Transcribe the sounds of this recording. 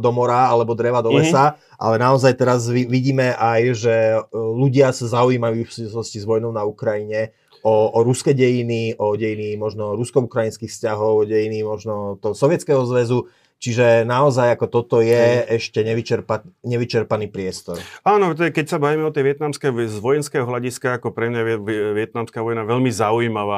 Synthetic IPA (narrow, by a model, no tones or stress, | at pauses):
d̪ɔmɔɾaalɛbɔd̪ɾɛʋad̪ɔlɛsa | ʔa̰lɛnaɔzajt̪ɛɾaziʋiɟiːmɛʔajʒɛluɟɪasazaujiːmajuːfsuʋislɔscizʋɔjnɔʊnaukɾajiɲɛ | ɔɔɾuskɛɟɛjiniʔɔɟɛjinimɔʒnɔɾuskɔukɾajinskixfscaɦɔʊɔɟɛjinimɔʒnɔt̪ɔɦɔsɔʋɪɛt͡skɛɦɔzʋɛzu | t͡ʃiʒɛnaɔzajakɔt̪ɔt̪ɔjɛɛʃcɛɲɛʋit͡ʃɛɾpaɲɛʋit͡ʃɛɾpaniːpɾɪɛst̪ɔɾaːnɔt̪̬ɔɛkɛcsabaʋimɛɔt̪ɛʋɪɛt̪namskɛzʋɔjɛnskɛɦɔɦlaɟiskaːkɔpɾɛmɲajɛʋɪɛt̪̚namskaːʋɔjnaʋɛʎmizauiːmaʋaː